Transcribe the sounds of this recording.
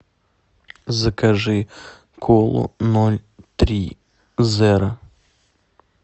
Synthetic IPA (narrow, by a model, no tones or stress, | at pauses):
zɐkɐʐɨ | kʰɔlˠʊ̰nɔlʲt̪ɾʲi | zɛɾɐ